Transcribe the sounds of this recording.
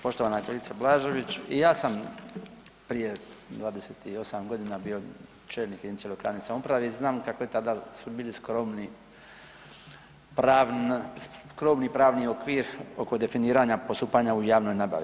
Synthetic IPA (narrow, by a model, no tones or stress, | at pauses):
po̞ʃt̪oʋaːnakɾelit̪sablaːʒo̞ʋit͡ɕijaːsam | pɾije̞d̪ʋaːd̪eset̪ʰio̞samɡo̞d̪inabiːo̞ | t͡ʃeːlnikeenelojkɾaːnesamupɾaʋeiznaːmkako̞jet̪ad̪asubiːliskɾomni | pɾas | kɾo̞mnipɾaːʋnio̞kʋiːɾo̞ko̞d̪e̞finiːɾaɲapost̪uːpaɲaujaːʋno̞jnaba̰ʋḭ